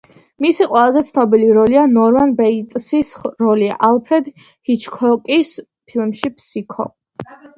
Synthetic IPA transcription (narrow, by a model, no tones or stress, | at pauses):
misiqʼwɛlˠazɛt̪sʰnɔbiliɾɔlianɔɾmanbɛit̪ʼsisɾɔliaʔalˠpʰɾɛd̪ | hit͡ʃʰkʰɔkʼis | pʰilmʃipʰsikʰɔ̰